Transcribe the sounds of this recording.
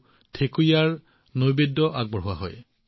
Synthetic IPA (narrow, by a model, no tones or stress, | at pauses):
tʰekujaɹ | nojbedːɔʔaɡ̚bɔɦuwa̰ɦɔ̰j